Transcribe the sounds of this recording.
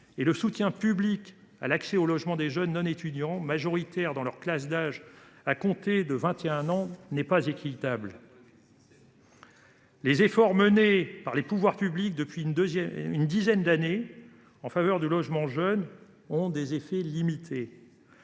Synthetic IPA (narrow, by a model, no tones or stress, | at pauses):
eləsut̪jɛ̃pyblik | a̰laksɛolɔʒmɑ̃d̪eʒœnːɔ̃net̪yd̪jɑ̃maʒɔʁit̪ɛʁd̪ɑ̃lœʁklasd̪aʒakɔ̃t̪ed̪əvɛ̃t̪eɛ̃nɑ̃nɛpazekʲit̪abl | lezefɔʁmənepaʁlepuvwaʁpyblik̚d̪əpɥinynd̪izɛnd̪ane | ɑ̃favœʁd̪ylɔʒmɑ̃ʒœn | ɔ̃d̪ezefɛlimit̪ʰe